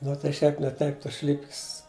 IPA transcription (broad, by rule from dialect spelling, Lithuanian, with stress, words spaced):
nʊ tɐɪ ˈʃʲɛɪp nʲɛ ˈtɐɪp ˈtoːs ˈʃʲlʲɪpʲkʲɪs